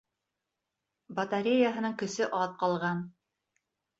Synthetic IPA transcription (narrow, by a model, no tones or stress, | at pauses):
bɐt̪aɾʲejaɦɤ̆nɤŋkɵ̆sɘʔɑðqɑlˠʁɑn